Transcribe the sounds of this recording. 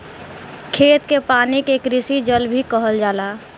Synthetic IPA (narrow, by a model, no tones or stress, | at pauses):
kʰeːt̪kepaːnikekɾɪsid͡ʒəlbʱikəɦəld͡ʒaːlaː